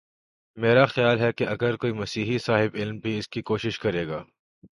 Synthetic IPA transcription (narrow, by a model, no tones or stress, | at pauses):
meːɾaxjaːlɦɛkeɐɡəɾkoːimɐsiːɦisaːɦɪbɪlmbʱiɪskikoːʃɪʃkɐɾeːɡaː